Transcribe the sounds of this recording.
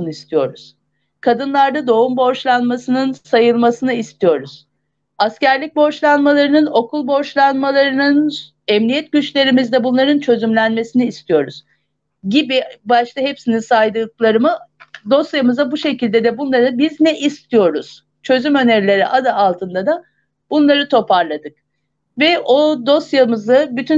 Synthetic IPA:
unist̪ʰijo̞ɾuz̥ | kʰad̪ɯnlˠaɾd̪ad̪o̞umbo̞ʃlˠanmasɯnɯnsajɯlˠmasɯnɯist̪ʰijo̞ɾuz̥ | ascæɾlʲic̚bo̞ʃlˠanmalˠaɾɯnɯno̞kʰulˠbo̞ʃlˠanmalˠaɾɯnɯn | ɛmnʲijɛt̪̚ɟyt͡ʃlʲe̞ɾimizd̪ɛbunlˠaɾɯnt͡ʃʰø̞zymlʲænme̞siniːst̪ʰijo̞ɾuz̥ | ɟibibaʃt̪aɦepsininsajd̪ɯklˠaɾɯmɯd̪o̞st̪jamɯzabuʃe̞cilʲd̪ed̪ɛbunlˠaɾɯbiznɛʔist̪ʰijo̞ɾuz̥ | t͡ʃʰø̞zymø̞neɾlʲe̞ɾiʔad̪aːlˠt̪ʰɯnd̪ad̪a | b̥unlˠaɾɯt̪ʰo̞pʰaɾlˠad̪ɯk̚ | vɛʔo̞d̪o̞st̪jamɯzɯbyt̪ʰy

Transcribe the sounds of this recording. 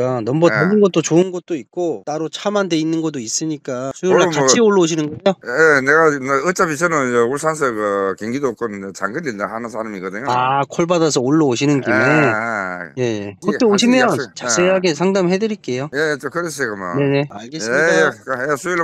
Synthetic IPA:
kanʌmbʌtoɡɯnɡʌt͈̚ot͡ɕoɯnɡʌt̚t͈oit̚k͈ot͈aɾot͡ɕʰamande̞inːɯnɡʌt͈ois͈ɯɲik͈asʰujoɭːat͡ɕat͡ɕioɭːʌoɕʰinɯnɡʌjoeneɡaneɯt͡ɕ͈abisʰenoeoɭsʰans̬ʰekɯkeŋɡidok͈onɯnet͡ɕaŋɡɯlːindahanɯsʰaɾamiɡʌd̪ɯɲoakʰoɭbadasʰʌoɭːʌoɕʰinɯnkime | je̞jekʌtʰeoɕʰimjʌnt͡ɕas͈eɦaɡesʰaŋdamɦe̞dɯɾik͈e̞jojejet͡ɕokɯɾes͈ekɯma̰ne̞ne̞aɭɡes͈meidakesʰujo

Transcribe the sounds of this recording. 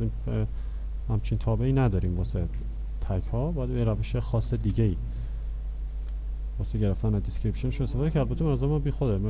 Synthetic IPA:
ime | hæmt͡ʃʰint̪ʰɒːbe̞iːnæd̪ɒːɾiːmbɒse | t̪ʰæcʰhɒːbɒːjæd̪beɾæveʃexɒːsed̪iːɟeiː | bɒːseɟe̞ɾeft̪ænæd̪iscɾipʃoneʃunest̪efːd̪ecʰæɾd̪buːd̪imænɒzæɾemːbiːxod̪em

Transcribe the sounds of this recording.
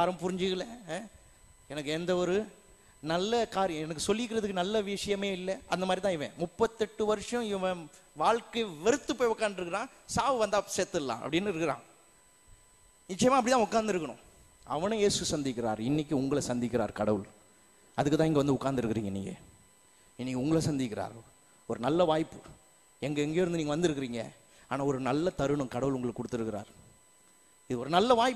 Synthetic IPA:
aɾɐmpʊɾɪɲd͡ʒɪɣɐɭɛ | ɛnɐk̬ːɯɛnd̪ɐɔɾɯ | nɐlːɐkaːɾjɛnɐkːɯsɔlːɪkːɪɾɐðɯkːɯnɐlːɐʋɪʂɐjɐmeːɪlːɐʔɐnd̪ɐmaːd̪ɾit̪ãːɪʋḛ̃ːmʊpːɐt̪ːɛʈːɯʋɐɾɯʂɐ̃ɪʋɐ̃ʋaːɻkɐʋɛɾɯt̪ːɯpːoːjʊkːaːɾnd̪ɾɯkːɪɾãː | saːʋɯʋɐnd̪aːset̪ːɯlːã̰ːɐ̰pːɐɽɪnːɯɪɾɯkːɪɾã̰ː | nɪt͡ʃːɐjɐmaːpːɐɽɪt̪ãːʊkːaːɾnd̪ɪɾɯkːɐɳʊ̰̃ | ɐʋɐnɯ̃jeːsɯsɐnd̪ɪkːɪɾaːɾɪnːɪkːɯʊŋɡɐɭɐsɐnd̪ɪk̬ʲːɪɾaːɾkɐɽɐʋɯl | ɐðɯkːɯt̪ãːɛŋɡɐʋɐnd̪ɯʊkːaːɾnd̪ɯɾɯkːɪɾiːŋɡɐnḭːŋɡɐ̰ | ɪnːɪkːʊŋɡɐɭɐsɐnd̪ɪkːɪɾa̰ːɾ | ɔɾɯnɐlːɐʋaːjpːɯ | ɛŋɡɐɛŋɡejːɾɯnd̪ɯniːŋɡɐʋɐnd̪ɯɾɯkːɾiːŋɡɐ̰ | aːnaːɔɾɯnɐlːɐt̪ɐɾɯɳʊ̃kɐɽɐʋɯlʊŋɡɐɭɯkːɔɽɯt̪ːɯɾɯkːɪɾa̰ːɾ | ɪðɯɔɾɯnɐlːɐʋaːj

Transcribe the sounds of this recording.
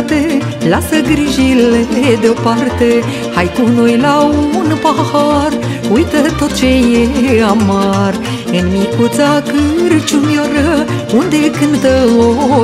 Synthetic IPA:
t̪e | lasəɡɾiʒiled̪eopart̪e | hajt̪unojlaumunpahaɾ | ujt̪ət̪o̞t̪̚t͡ʃejeamar | ɨnmikut̪sakɨɾɨt͡ʃumjaɾə | und̪ekɨnt̪əo

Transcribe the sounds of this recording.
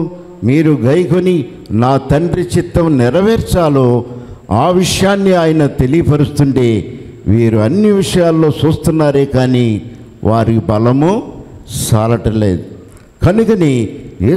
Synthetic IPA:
miːɾuɡɐjɐko̞ni | naːt̪ɐɳɖɾit͡ʃit̪ːɐmnɪɾɐʋɛːɾt͡ʃaːloː | aːʋiʂɐjaːnːiaːjɐnɐt̪e̞lijɐpɐɾust̪uɳʈe̞ː | ʋiːɾuɐnːiʋiʂɐjaːlːo̞ːt͡ʃuːst̪unːaːɾe̞ːkaːniː | ʋʔaːɾibɐlɐmu | t͡ʃaːlɐʈɐlḛːd̪u | kɐnukɐnieː

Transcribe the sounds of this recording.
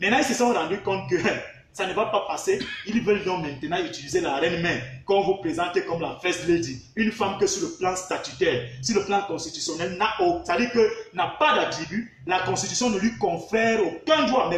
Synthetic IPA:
mɛnãilsəsɔ̃ɾãdykɔ̃t̪̚kə | sanəvapapaseilvɛljɔ̃mɛ̃nt̪ənãytilizelaɾɛ̃nmɛ̃mkɔ̃vupʁezãtekɔmlafɛsledi | ynfamkəsyləplãst̪at̪ytɛʁsyləplãkɔ̃st̪it̪ysjɔnɛlnaʔosadikənapadadeby | lakɔ̃st̪it̪ysjɔ̃nəlwikɔ̃fɛʁokɛ̃d̪wamɛ

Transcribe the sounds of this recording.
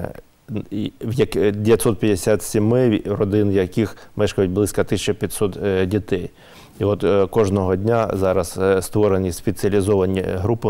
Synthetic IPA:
ijɐkd̪ʲejɐt̪sɔt̪̚pʲjɐd̪esʲat̪sʲimɪrɔd̪ɪnjɐkixmɛʃkɐjʊt̚ʲblˠɪsʲkɐt̪ɪsʲt͡ʃɔpʲit̪ʲsɔt̪dʲit̪ɛj | iɔt̪kɔʒnɔɦɔdʲnʲazɑɾɐsst̪ʋɔɾenʲispet͡sʲiɐlʲizɔʋɐnʲḭɦɾupɪ

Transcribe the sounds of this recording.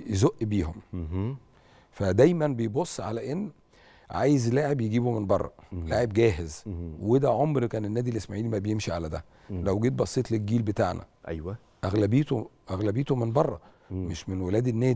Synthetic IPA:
jezoʔːbiːhom | fæd̪æjmænbejbosˤːʕa̰læʔenː | ʕa̰ːjezlaːʕebjeɡiːbomenbɑrˤːɑ̰laːʕebɡæːɦezwed̪æʕomɾkæːnenːæːd̪ilʔesmaʕiːlmæbejemʃiʕalæd̪æ | læwɡeːt̪̚bɑsˤːiːt̪ˤlelɡiːlbet̪aːʕnæ̰ʔæjwæ | ʔæɣlæbeːt̪oʔæɣlæbejːt̪omenbɑrˤːɑ | meʃmenwelæːd̪enːæːd̪

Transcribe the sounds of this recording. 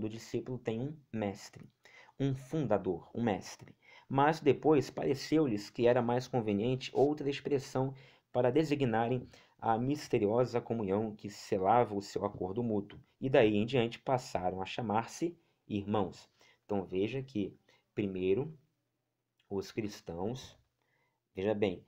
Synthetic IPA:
d̪ʊd͡ʒisipʊlʊt̪ẽj̃ũmɛst̪ɾɪ | ũfũd̪ad̪oɾṵ̃mɛst̪ɾɪ | mɐzd̪epojspaɾesewlɪskɪɛɾɐmajskõveniẽnt͡ʃɪ̥ʔowt̪ɾɐespɾesɐ̃w̃ | paɾɐd̪eziɡinaɾẽj̃ | ɐ̰mist̪eɾiɔzɐkomũɲɐ̃w̃kɪselavɐʊsewakoɾd̪ʊmut̪wʊ | ɪd̪aiẽj̃d͡ʒiɐ̃nt͡ʃɪ̥pasaɾɐ̃w̃ɐʃamaɾsɪ | iɾmɐ̃w̃s | ẽt̪ɐ̃w̃veʒɐkʰɪ | pɾimejɾʊ | ʊskɾist̪ɐ̃w̃s | veʒɐbẽj̃

